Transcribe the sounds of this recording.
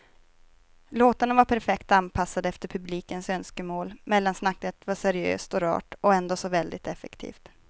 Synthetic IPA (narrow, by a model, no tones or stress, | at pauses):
loːt̪anavaɾpʰæɾfɛkt̪anpʰasːad̪əɛft̪əɾpʰɵbliːkənsœnskəmoːlmɛlːansnakːət̪vasæɾɪø̰ːst̪ɔɾɑ̰ːʈɔɛnd̪oːsɔvɛld̪ɪt̪ɛfɛkt̪ʰḭːft̪